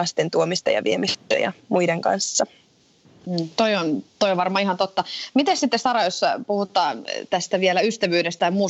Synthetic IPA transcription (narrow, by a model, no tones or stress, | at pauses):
ɑst̪ent̪uomist̪ɑjɑ̰ʋiemist̪æ̰jɑ̰muideŋkɑ̰nsːɑ | t̪oiont̪ojoʋɑrmɑːihɑnt̪ot̪ːɑmit̪essit̪ːesɑɾɑjospuhut̪ːˑɑːnt̪æst̪æʋielæyst̪æʋyːdest̪æjɑmuː